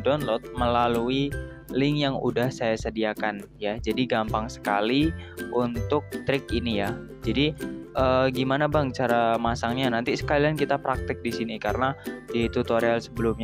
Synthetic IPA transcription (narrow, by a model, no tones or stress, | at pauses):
dɔnlɔt̪̚məlaluilɪŋjaŋṵdahsajasədiakanjad͡ʒadiɡampaŋsə̥kaliunt̪ʊk̚t̪ɾɪk̚inija | d͡ʒadiʔəːɡimanabaŋt͡ʃaɾamasaŋɲanant̪isə̥kaliankit̪apɾak̚t̪ɪk̚disinikaɾənadit̪ut̪oɾialsəbəlʊmɲ